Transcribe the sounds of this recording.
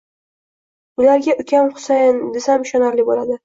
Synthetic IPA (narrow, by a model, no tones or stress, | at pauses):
ʊlaɾɡʲaʔʊkʲʰamχʊ̥sajnd̪ɪsamʃɒnaɾlɪbolad̪ɪ